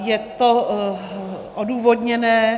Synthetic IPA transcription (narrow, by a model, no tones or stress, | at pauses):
jɛt̪o | ʔoduːvodɲɛnɛː